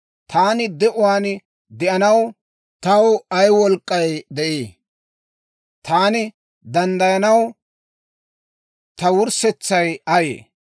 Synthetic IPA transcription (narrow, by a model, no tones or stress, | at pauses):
t̪ʰaːnɪd̪ɛʔʊwaːn | d̪ɛʔɐnɐw | t̪ɐwɐjwɔlkʼːɐjd̪ɛʔeː | t̪aːnɪ | d̪ɐnd̪ɐjɐnɐw | t̪ɐwʊɾsɛt͡sːɐjɐjḛː